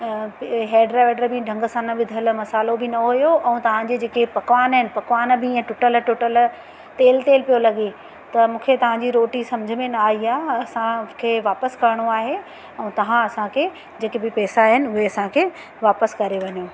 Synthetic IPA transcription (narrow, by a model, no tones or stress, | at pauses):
ɦeːɖɾaʋeːɖɾbɪ̃ɖʱɐ̃ŋɡəsãnɐʋɪd̪ʱəlmɐsaːlobɪnɐɦujoʔɛ̃ːt̪ɐʋ̤ãd͡ʑed͡ʑeːkepɐkʋaːnɦɪnɪ̆pɐkʋaːnbɪɛ̃ʈʊʈəlʈʊʈəl | t̪eːlt̪eːlpijolɐɠe | t̪ɐmũːkʰet̪ɐʋ̤ãɲd͡ʑiɾoːʈisɐmd͡ʑʱə̆mẽnɐːɦiaːɐsãkʰeːʋaːpəskɐɾɪɽ̃oaːɦe | ɛ̃ːt̪ɐʋ̤ãɐsãkʰe | d͡ʑeːkebɪpɛːsaɦɪnɪʊɦeɐsãkʰeː | ʋaːpəskɐɾeʋɐɲjoː